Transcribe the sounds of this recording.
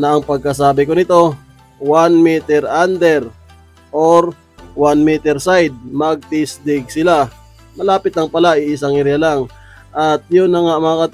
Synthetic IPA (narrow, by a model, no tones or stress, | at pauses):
nɐʔɐŋpɐɡ̚kɐs̬aːbɪkonɪt̪o̞ | wanmit̪ɛɾʔand̪ɛɾ | ʔoɾ | wanmit̪ɛɾsajd̪̚mɐɡ̚t̪ɪsd̪ɪɡ̚sɪla | mɐlaːpɪt̪lɐŋpɐlaɪɪsaŋɪɾjalaŋ | ʔɐt̪̚jʊnːɐŋamɐŋakɐt̪